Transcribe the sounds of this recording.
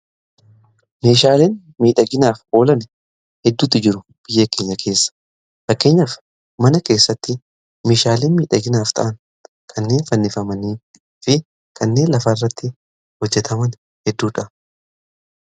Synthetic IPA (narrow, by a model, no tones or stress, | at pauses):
me̞ːʃaːleːn | miːᶑɐɡɪnaːfʔo̞ːlɐn | hɛd̪ːuːt̪ːɪd͡ʒɪɾʊ | b̥ɪjːeːke̞ːɲːɐkʰe̞ːsːɐ̥ | fɐkːe̞ːɲːaːf | mɐnɐke̞ːsːɐt̪ːɪ | me̞ːʃaːleːnmiːᶑɐɡɪnaːft̪ɐ̰ʔɐn | kʰɐnːe̞ːnfɐnːɪfɐmɐniː | fɪ | kʰɐnːe̞ːnlɐfɐrːɐt̪ːɪ | hɔd͡ʒːɛt̪ʰɐmɐn | hɛd̪ːuːᶑɐ